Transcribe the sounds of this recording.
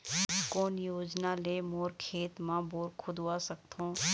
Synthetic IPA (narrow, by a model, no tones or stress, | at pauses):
koːnjoːd͡ʒnaleːmoːɾkʰeːt̪mãːboːɾkʰʊd̪aːsəkt̪ʰõː